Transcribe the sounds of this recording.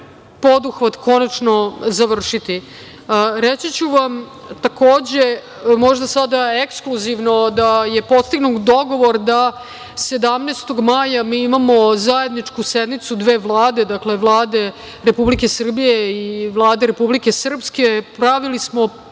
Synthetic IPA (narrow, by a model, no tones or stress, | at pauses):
po̞d̪uxʋat̪ko̞nat͡ʂnozaʋr̩ʂit̪i | ɾet͡sit͡ɕuʋam | t̪akoːd͡ʑe | mo̞ʒd̪asad̪aekskluziʋnod̪ajepo̞st̪iɡnukd̪o̞ɡo̞ʋo̞ɾd̪a | se̞d̪amneːst̪oɡmaːjamiːimamozaje̞d̪nit͡ʂkused̪nit̪sud̪ʋeːʋlˠaːd̪e̞d̪akle̞ʋlˠaːd̪e̞ | ɾepublike̞sr̩bije̞iʋlˠaːd̪e̞ɾepublike̞sr̩pske̞pɾaʋilismo̞